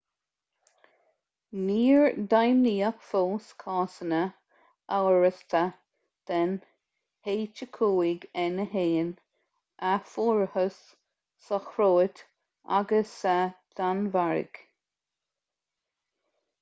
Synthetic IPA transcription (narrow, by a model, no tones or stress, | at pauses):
niːɹd̪ajmniːəkfoskʰɑːsənə | ʔawɹəst̪ʰə | d̪̥ɛn | heːt͡ʃəkʰuːɪɡɛnəɦeːn | ʔafuːɹhəsː | əxɾoːt̪ | ʔa̰ɡəsad̪̥anvaɹɪ̰ɡ̥